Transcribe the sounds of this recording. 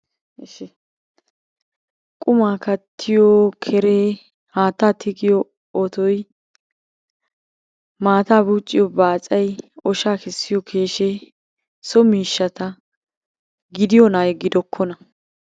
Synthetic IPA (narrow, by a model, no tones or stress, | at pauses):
ʃɛ | kʼʊmaːkɐt̪ʰːɪjɔkʰɛɾeː | haːt̪ːaːt̪ʰɪɡɪjɔ | ɔt̪ɔj | maːt̪aːbuːt͡ʃʼːɪjɔbaːt͡sʼɐjɔʃaːkɪsːɪjɔkʰe̞ːʃe | sɔmiːʃːɐt̪ɐ | ɡɪd̪ɪjɔnaːjɡɪd̪ɔkʰːɔnɐ